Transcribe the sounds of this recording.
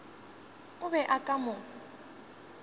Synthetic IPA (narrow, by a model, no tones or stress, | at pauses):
ʊβɛʔakʼamɔ